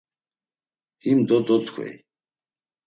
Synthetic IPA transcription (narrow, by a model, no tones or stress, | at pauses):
himd̪ɔd̪ɔt̪kʰwɛ̰j